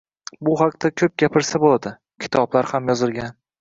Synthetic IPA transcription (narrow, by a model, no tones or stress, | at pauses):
bʊɦɑqt̪akʲʰɵp̚ɡʲapʰɪɾsabolˠad̪ɪ | kʲʰɪ̥t̪ʰɒblaɾhamjɒzɪlˠɡʲan